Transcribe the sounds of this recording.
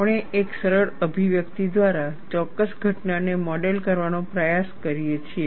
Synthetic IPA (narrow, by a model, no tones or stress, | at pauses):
pɽ̃eʔeksəɾəɽəbʱiʋjəkt̪id̪ʋaɾat͡ʃɔkːəsɡʱəʈnanemɔɖelkəɾʋanõpɾəjaskəɾijet͡ʃʰie